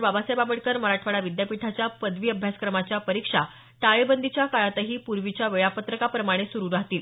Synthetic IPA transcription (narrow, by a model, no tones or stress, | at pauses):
babasejbaməɽkəɾməɾaʈʰʋaɽaʋid̪japiʈʰat͡ɕjapəd̪ʋiːəbʱjaskɾəmat͡ɕjapəɾikʂa | ʈaɭebənd̪ʱit͡ɕjakaɭat̪əɦiːpuɾʋit͡ɕjaʋeɭapət̪ɾəkapɾəmaɽ̃esuɾuɾaɦt̪iːl